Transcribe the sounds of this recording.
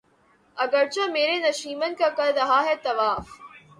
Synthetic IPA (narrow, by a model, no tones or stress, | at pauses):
ɐɡəɾt͡ɕãmeːɾenɐʃiːmənkakɐɾɾɐɦaːɦɛːt̪ɐʋaːf